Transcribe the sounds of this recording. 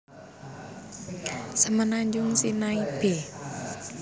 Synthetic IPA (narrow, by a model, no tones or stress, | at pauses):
səmənaɲd͡ʒʊŋsinaib̥e